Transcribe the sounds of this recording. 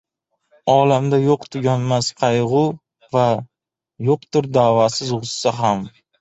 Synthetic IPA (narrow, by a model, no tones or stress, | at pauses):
ɒlamd̪ajoqt̪ʰʊɡʲanmasqʰɑjʁʊ | va | joqt̪ʊɾd̪aːvasɪzʁʊsːaɦam